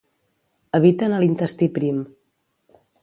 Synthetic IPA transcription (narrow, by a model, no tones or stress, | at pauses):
əβ̞it̪ənəlint̪əst̪ipɾim